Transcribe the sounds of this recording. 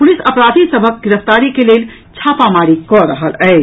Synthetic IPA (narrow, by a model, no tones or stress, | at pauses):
pʊlɪsəpɾaːd̪ʱisəbʱək̚ɡɪɾəft̪aːɾikeleːl | t͡ʃʰaːpamaːɾikɔɾəɦəlɛɪ